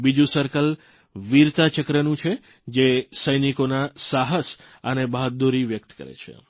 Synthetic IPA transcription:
bid͡ʒũsəɾkəl | ʋiɾt̪at͡ʃəkɾənũt͡ʃʰe | d͡ʒesəjnikonasaɦəs | ənebaɦt̪̚d̪uɾiʋjək̚t̪kə̰ɾḛt͡ʃʰḛ

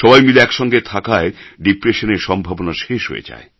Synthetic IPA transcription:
ʃɔbajmileɛkʃɔŋɡet̪ʰakaeɖipɾeʃoneɾʃɔmbʱabonaʃeʃɦo̰jḛd͡ʑa̰e

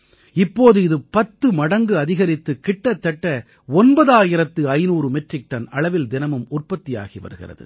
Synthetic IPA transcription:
ɪpːoːðɯɪðɯpɐt̪ːɯmɐɽɐŋɡɯɐðɪɣɐɾɪt̪ːɯkɪʈːɐt̪ːɐʈːɐ | ɔnbɐðaːjɪɾɐt̪ːɯɐɪnuːɾɯmɛʈrɪk̚ʈɐnɐɭɐʋɪld̪ɪnɐmɯmʊrpɐt̪ːɪja̰ːɣiʋɐ̰ɾɯɣɪ̰rɐ̰ðɯ̰

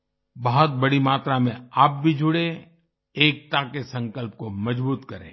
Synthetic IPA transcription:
bɐɦʊt̪̚bɐɽimaːt̪ɾamẽaːp̚bʱid͡ʒʱʊɽẽ | eːk̚t̪akesɐ̃ŋkəlp̚komɐd͡ʒbuːt̪kɐɾḛ̃ː

